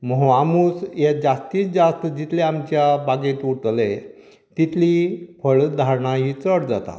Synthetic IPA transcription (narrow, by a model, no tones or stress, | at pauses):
məɦoamuːsjed͡zast̪iːt͡sd͡zast̪əd͡ʑit̪leamt͡ɕjabaɡẽt̪uʈle | t̪it̪ʰlipʰəɭd̪ʱaɾɳaɦiːt͡səɽd͡zat̪a̰